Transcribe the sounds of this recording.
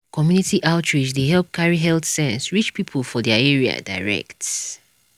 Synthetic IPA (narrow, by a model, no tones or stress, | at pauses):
kʰɔmjunitiʔaʊtʰɹid͡ʒdeɦɛlp̚kʰaɹiɦɛlθsɛ̃nsɹit͡ʃpipʰəlfɔdɛaɛɹia̰da̰ɪɹɛ̰kt